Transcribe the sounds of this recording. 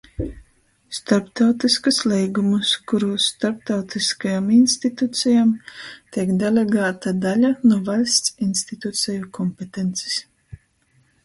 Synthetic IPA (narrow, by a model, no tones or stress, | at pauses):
st̪aɾpt̪awt̪iskuslɛjɡumuskuɾuːsːt̪aɾp̚t̪awt̪iskajaminst̪it̪ut̪sʲɛjamt̪iɛkd̪elʲeɡaːt̪ad̪alʲanuɔvalʲst̪sinst̪it̪ut̪sʲɛjukɔmpet̪ent̪si̥s